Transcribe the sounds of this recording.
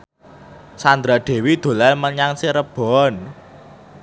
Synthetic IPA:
sand̪ɾaɖ̪̥e̤wid̪̥o̤lɛlməɲaŋsiɾəb̥ɔn

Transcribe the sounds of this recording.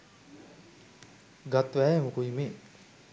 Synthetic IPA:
ɡat̪ʋæːemukuime

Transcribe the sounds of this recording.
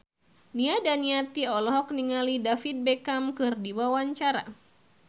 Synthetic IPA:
niadaniat̪iɔlɔɦɔk̚niŋalidafit̪̚bekamkɨrdiwawaɲt͡ʃaɾa̰

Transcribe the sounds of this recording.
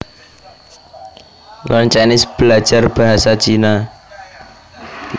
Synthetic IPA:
lʔɔnt͡ʃanɪsb̥əlḁd͡ʒ̥arb̥aɦasat͡ʃina

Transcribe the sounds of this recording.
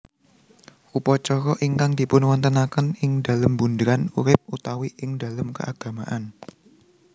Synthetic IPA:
ʔupɔt͡ʃɔɾɔʔiŋkaŋd̪̥i̤pʊnwant̪ənakənɪŋda̤ləmbund̪ɾanuɾɪp̚ut̪awiʔɪŋda̤ləmkə̰ʔaɡ̥a̤maʔan

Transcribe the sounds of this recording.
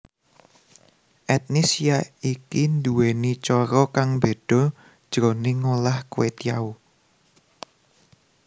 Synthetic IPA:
ʔɛt̪̚nisiaikind̪uwenit͡ʃɔɾɔkaŋbe̤ɖ̥ɔ̤ | d̥ʒ̥ɾɔneŋolahkuwet̪ijau

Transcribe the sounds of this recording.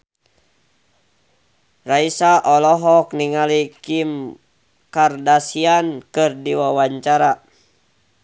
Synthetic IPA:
raisaʔɔlɔɦɔk̚niŋalikim | kardasiankɨrdiwawaɲt͡ʃaɾa

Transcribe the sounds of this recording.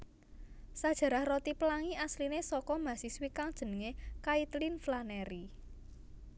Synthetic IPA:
sad̥ʒ̥a̤ɾahrɔt̪ipəlaŋiaslinesɔkɔmasiswikaŋd̥ʒ̥ə̤nəŋekait̪linflanɛɾi

